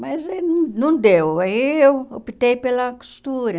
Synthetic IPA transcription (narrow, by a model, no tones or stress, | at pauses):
mɐzenɐ̃nɐ̃w̃d̪ewaiewopit̪ejpelɐku̥sst̪uɾɐ